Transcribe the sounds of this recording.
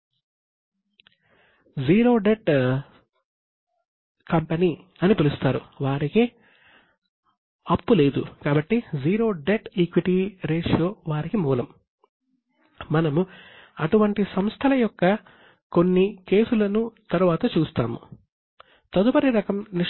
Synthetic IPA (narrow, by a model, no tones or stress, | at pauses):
d͡ʒiːɾo̞ːɖe̞ʈ | kɐmpeniːɐnipelust̪aːɾṵʋaːɾike | ɐpːule̞ːd̪ṵkaːbɐʈːid͡ʒiːɾo̞ːɖeʈikʋiʈiɾeːʂoːʋaːɾikimuːlɐm | ɐnɐmuɐʈuʋɐɳʈisɐmst̪ʰɐlɐjɔkːɐ | ko̞nːike̞ːsulɐnut̪ɐɾuʋaːt̪ɐt͡ʃuːst̪a̰ːmṵ | t̪ɐd̪upɐɾiɾɐkɐmni